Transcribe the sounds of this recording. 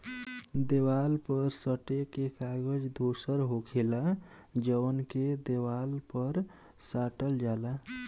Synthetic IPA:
d̪ewalpəɾsəʈekekaɡəd͡ʒd̪ʱosəɾɦokʰela | d͡ʒəwənked̪ewalpəɾ | saʈəld͡ʒala

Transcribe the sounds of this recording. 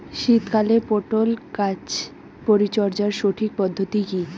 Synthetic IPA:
ʃit̪kalepoʈolkat͡ɕ | poɾit͡ɕɔɾd͡ʑaɾʃoʈʰik̚pɔd̪ʱːot̪iki

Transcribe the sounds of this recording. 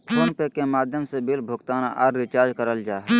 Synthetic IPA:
pʰoːnpekːemaːd̪ʱjəmsebɪlbʱʊɡt̪aːna̰ʔɔːɾːɪt͡ʃaːɾd͡ʒkəɾəld͡ʒaːɦɛ

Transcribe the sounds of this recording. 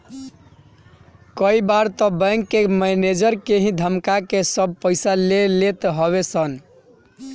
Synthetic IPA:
kəibaɾt̪ɔbə̃ŋkːemɛned͡ʒəɾkeɦĩd̪ʱəmkakesəb̚ʱpəɪsalelet̪ɦɔβesən

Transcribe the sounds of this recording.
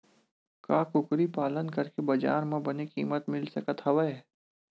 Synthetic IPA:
kaːkʊkɾipaːlənkɐɾkebɐd͡ʒa̰ːɾmẽbɐnekḭːmət̪mɪlsɐkət̪ʰhɐʋə

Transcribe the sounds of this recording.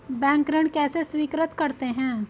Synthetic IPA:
bɛ̃ːŋkɾəɳkɛːseswiːkɾət̪kɐɾt̪eɦɛ̃ː

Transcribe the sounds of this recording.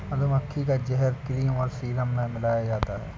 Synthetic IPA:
mɐt̪əmɐkʰːikad͡ʒɛɦɛɾkɪliːmɔːɾsiːləmːẽmɪlaːjad͡ʒaːt̪aɦɛ̰ː

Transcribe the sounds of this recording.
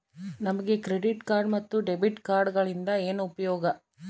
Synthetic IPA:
nɐmɐɡekɾeɖiʈkaːɾɖmɐt̪ːuɖebiʈkaːɾɖɡɐɭind̪ɐeːnupɐjoːɡɐ

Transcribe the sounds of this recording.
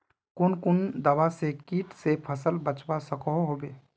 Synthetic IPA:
kʊnkʊnd̪əʋasekiːʈsepʰəsəlbət͡ʃbasəkɔɦɦoːbeː

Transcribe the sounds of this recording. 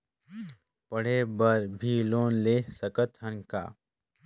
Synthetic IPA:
pəɽ̤ebəɾbʱiloːnleːsəkət̪ɦə̃nka̰ː

